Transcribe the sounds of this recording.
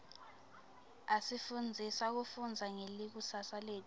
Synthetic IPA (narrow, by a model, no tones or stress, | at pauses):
asifund͡zʱisak̬ufund͡zʱaŋelik̬usasaleːt